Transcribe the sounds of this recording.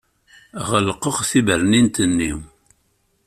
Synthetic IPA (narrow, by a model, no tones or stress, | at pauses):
ʁəlqəʁθibəɾnint̪ənːḭw